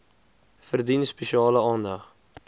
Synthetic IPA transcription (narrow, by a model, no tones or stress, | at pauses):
fərdinspɛʃiɑːləɑːndɐχ